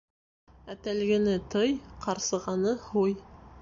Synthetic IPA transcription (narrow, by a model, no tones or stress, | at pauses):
æt̪ælɡɘ̆nɘt̪ɤjqɑɾsɤ̆ʁɑnɤhuj